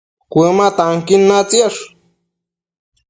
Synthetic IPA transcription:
kʷemat̪aŋkinːat͡sjaʂ

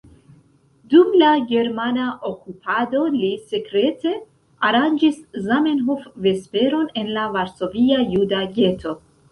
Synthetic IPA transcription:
dumlaɡe̞ɾmanaʔokupʰado̞lise̞kɾe̞te̞ | aɾand͡ʒiszamenɦofve̞spe̞ɾo̞ne̞nlavaɾso̞viajudaɡe̞to̞

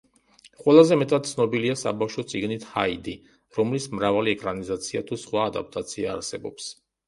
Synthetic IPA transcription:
χʼwɛlˠazɛmɛt̪ʼad̪̚t̪sʰnɔbiliasa̰bafʃɔt̪sʼiɡnit̪ʰhaid̪i | ɾɔmlismɾavaliɛkʼɾanizat̪sʰiat̪ʰusχwaːd̪ap̚t̪ʼat̪sʰiaːɾsɛbɔ̰ps

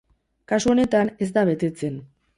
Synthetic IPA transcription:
kasuone̞t̪ane̞zd̪aβe̞t̪e̞t͡se̞n

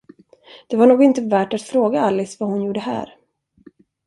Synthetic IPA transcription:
d̪̥ɛvaɳuːɡɪnt̪əvæːʈat̪fɾoːɡaalːɪsvahʊnjuːɖəɦæ̰ːɾ

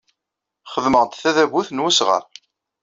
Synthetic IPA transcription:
χəðməʁt̪θæðæbuθnwæsʁə̰ɾ

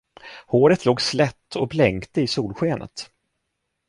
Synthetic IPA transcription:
hoːɾət̪ʰloːɡslɛt̪ːɔblɛŋkt̪əɪsuːlɧeːnʔə̰t̪

